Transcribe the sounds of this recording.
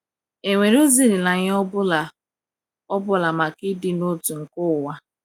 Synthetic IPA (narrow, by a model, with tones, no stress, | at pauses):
e˨ŋʷe˨ɾo˦zi˦ɾi˨na˨ɲ˦ɔ˦bʊ˦la˨ | ɔ˦bʊ˦la˨ma˨kɪ˦dɪ˦no˦tu˨ŋ̩˨kʊ˦˨wa˦